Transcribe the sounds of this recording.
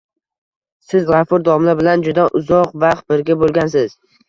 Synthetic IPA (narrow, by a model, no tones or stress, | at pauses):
sɪzʁɑfʊɾd̪ɒmlabɪland͡ʒʊd̪aʔʊzɒqvɑχt̪̚bɪɾɡʲabolˠɡʲans̬ɪz̥